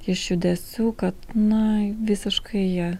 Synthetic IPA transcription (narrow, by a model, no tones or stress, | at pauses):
ɪʃjud̪ʲɛsʲuːkɐt̪nɐʋʲɪsʲɪʃkɐɪjɛ